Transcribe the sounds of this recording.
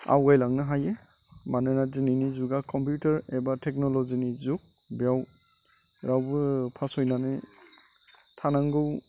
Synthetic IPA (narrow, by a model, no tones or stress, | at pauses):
a̰wɡajlaŋnɯɦaje | manɯnazininizuɡakʰɔmpjutaɾebatʰek̚nɔlɔzinizuk̚ | bjaw | ɾawbɯpʰasɔjnanɯ | tʰanaŋɡɯw